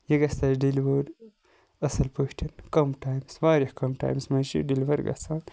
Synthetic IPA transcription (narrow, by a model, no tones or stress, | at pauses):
jɐɡɐst̪at͡ʃɖilʋoɾ | ɐsɐlpoːʃʈʰinkɐmʈaːjmsʋaːɾihkɐmʈa̰ːjmsmɐʃḭɖilʋɐɾɡɐ̰saːn